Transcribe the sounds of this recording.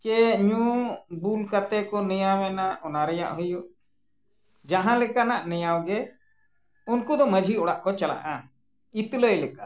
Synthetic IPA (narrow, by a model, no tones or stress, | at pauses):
kɛɲũbulkat̪ɛkɔnɛjawɛnaʔɔnaɾɛja̰ʔɦəjuʔ | d͡ʒaɦãlɛkanaʔnɛjawɡɛ | unkud̪ɔməd͡ʒʱiɔɽaʔkɔt͡ʃala̰ʔa | it̪ləjlɛka